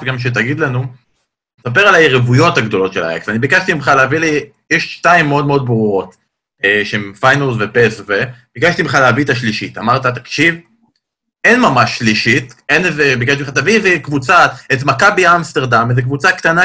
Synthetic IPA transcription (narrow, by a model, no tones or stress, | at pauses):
fɡamʃ̬et̬aɡid̪lanu | nesap̬eʁalajeʁevujo̞thaɡd̪o̞lo̞t̪ʃela̰ḛksanibikaʃt̪imχaleavili | jeʃʃtaimːeo̞d̪meo̞d̪̚bʁuʁo̞t | eʃeemfajnolzvepesveb̥ikaʃt̪imeχaleavit̪aʃliʃit̪amaʁt̪at̪̬ḁkʃiv | enmamaʃːliʃitenezebikaʃtimχat̪avizekvut͡saet̬makabiamst̪eʁd̪amezekvut͡sakt̪ana